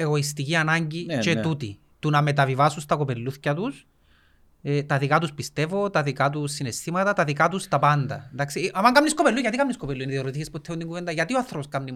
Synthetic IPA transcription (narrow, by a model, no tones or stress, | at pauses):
e̞ɣo̞ist̪iciɐnɐɲɟit͡ʃet̪ut̪i | t̪unɐme̞t̪ɐvivɐsust̪ɐko̞pe̞lːuθcɐt̪us | et̪ɐðikɐt̪uspist̪e̞vo̞t̪ɐðikɐt̪usːine̞st̪imɐt̪ɐt̪ɐðikɐt̪ust̪ɐpɐnd̪ɐ̰end̪ɐksiɐmɐŋɡɐmnisko̞pelːuʝɐt̪ikɐmniskopelːuineðioɾot̪içesput̪ʰːeund̪iŋɡuved̪ɐʝɐt̪ioɐθɾoposkɐmnim